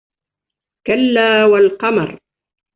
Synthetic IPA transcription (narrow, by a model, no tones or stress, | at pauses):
kalːaːwalqɑmɑ̰ɾˤ